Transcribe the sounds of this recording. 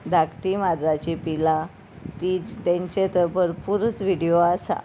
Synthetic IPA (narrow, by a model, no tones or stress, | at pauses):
d̪ʱakʈimad̪ɾat͡ɕipila | t̪it̪ɛ̃ɲt͡ɕet̪əbəɾpuɾut͡sʋiɽijoas